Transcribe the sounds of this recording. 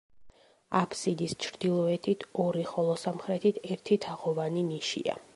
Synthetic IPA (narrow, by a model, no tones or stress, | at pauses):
apʰsid̪ist͡ʃʰɾd̪ilˠɔɛt̪ʰit̪ʰɔɾiχɔlˠɔsamχɾɛt̪ʰit̪ʰɛɾt̪ʰit̪ʰaʁɔvaniniʃḭa̰